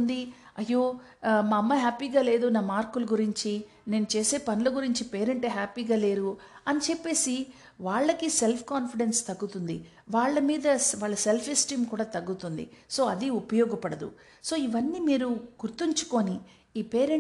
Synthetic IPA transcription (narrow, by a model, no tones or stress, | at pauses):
nd̪iɐjːoːmaːɐmːɐɦaːpiːɡaːle̞ːd̪unaːmaːɾkulɐɡuɾiɲt͡ʃi | ne̞ːnut͡ʃe̞ːse̞ːpɐnulɐɡuɾiɲt͡ʃipe̞ːɾeɳʈeːɦaːpiːɡaːle̞ːɾuɐnit͡ʃepːe̞ːsi | ʋaːɭːɐkise̞lpʰkaːnpiɽe̞nst̪ɐɡːut̪und̪ḭ | ʋaːɭːɐmiːd̪ɐʋaːɭːɐselpʰisʈiːmkuːɽaːt̪ɐɡːut̪und̪ḭso̞ːɐd̪iupɐjɔːɡɐpɐɽɐd̪ṵ | so̞ːiʋɐnːiːmiːɾuɡ̥uɾt̪iɲt͡ʃu̥ko̞ːni | iːpe̞ːɾeɳ